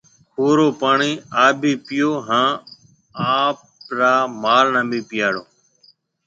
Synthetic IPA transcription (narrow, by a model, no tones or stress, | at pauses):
poːɾoːpaːɳiːaːbʱiːpɪjoːɦãː | aːp̚ɾaːmaːlnãːbʱiːpɪjaːɽoː